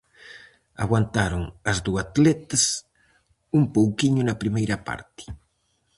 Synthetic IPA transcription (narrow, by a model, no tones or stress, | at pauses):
a̰ɣwant̪aɾʊŋɐzðuat̪lɛt̪ɐs | umpowkiɲʊnɐpɾimejɾɐpa̰ɾt̪ɪ̥